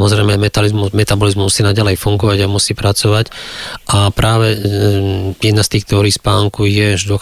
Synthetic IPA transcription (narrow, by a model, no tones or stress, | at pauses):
mɔzɾɛɪmɛmɛt̪alizmumɛt̪abɔlizmmusiːnaɟalɛjfuŋɡɔʋaɟamusiːpɾat͡sɔʋacʔapɾaːʋɛ | jɛd̪nast̪iːxkt̪ɛɔɾiːspaːŋkujɛʒd̪ɔ